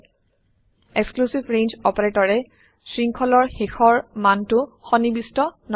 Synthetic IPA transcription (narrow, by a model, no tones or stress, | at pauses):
eksklusibɹẽnzɔpaɹetɔɹɛ | sɹiŋkʰɔlɔɹxexɔɹmantʊxɔnibistɔn